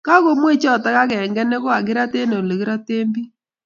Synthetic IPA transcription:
ka˦ɣo˦mwe˦t͡ʃɔ˦˨ta˦ɣa˦ɣɛ˨ŋɡɛ˦ne˦ɣo˦a˨ɣe˦ɾa˦te˦ne˨le˨ɣe˦ɾɔ˦teː˦mbi˦

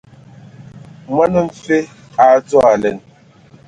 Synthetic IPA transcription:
ma˦nə˦ɱ̩˨fe˦ | a˨˦to˦a˨lɛ˨n

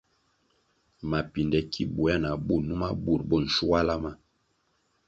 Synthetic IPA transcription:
ma˨pi˨ndɛ˨kʰi˦bu˨˦a˦na˨bu˦˨nu˦ma˦bu˦˨ɾbo˦˨n̩˨ʃu˦wa˦la˦ma˦

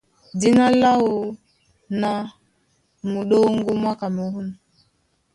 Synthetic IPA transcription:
di˦na˦la˦wo˨ | na˦ | mu˨ɗo˦ŋɡu˦m˦a˦ka˨mi˨hu˦n

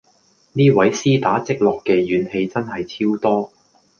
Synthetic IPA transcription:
niː˥wɐ˨˥jsiː˥t̪aː˨˥t͡sɪ˥k̚lɔː˨kːɛː˧jyː˨˥nhe˧jt͡sɐ˥nɦɐ˨jt͡sʰiː˥wt̪ɔː˥

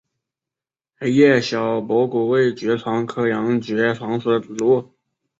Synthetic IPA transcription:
xe˧˥ɪjɛ˥˩ɕjɑ˨˩ʊpwɔ˧˥ku˨˩we˥˩ɪt͡ɕɥɛ˧˥ʈ͡ʂʰwɑ˧˥ŋkʰɤ˥˩jɑ˧˥ŋt͡ɕɥɛ˧˥ʈ͡ʂʰwɑ˧˥ŋʂɔ˧˩lwɔ˧˥

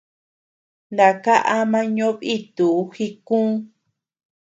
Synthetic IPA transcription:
nd̪a˨ka˦ʔa˦mã˦ɲõ˦βi˦t̪u˨˦xi˧kũː˦

